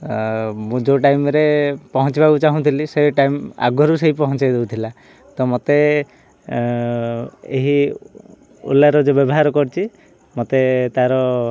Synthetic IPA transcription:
mũd͡ʒoʈajmɾepɔɦɔnt͡ʃibabut͡ʃaɦũt̪ʰiliseʈajma̰ɡʱɔɾuseɦipɔɦɔ̃t͡ʃajd̪ebut̪ʰila | t̪ɔmot̪e | eɦi | ṵlaɾɔd͡ʒebjɔbɔɦaɾɔkɔɾt͡ʃʰi | mot̪et̪aɾɔ

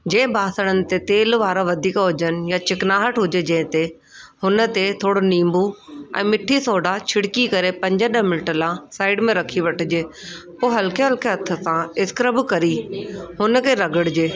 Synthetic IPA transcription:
d͡ʑẽːɪ̃bʱaːsəɽ̃ənɪ̆t̪et̪eːlʋaːɾaʋɐd̪ʱiːkɦʊd͡ʒənjat͡ɕɪknaːɦəʈɦʊd͡ʒed͡ʑɐ̃ɦɪ̃t̪e | hʊnət̪et̪ʰoːɽonĩːmbuɛ̰̃ːmɪʈʰːisoːɖat͡ɕʰɪɽkikɐɾepɐ̃ɲd͡ʑəɗəɦmɪnʈəlãsaːɪɖmẽɾɐkʰiʋɐʈʰɪd͡ʑeːpoːɦɐlkeɦəlkjeɐt̪ʰːəsãɪskɾəbkɐɾiɦʊnəkʰeɾɐɡəɽd͡ʑeː

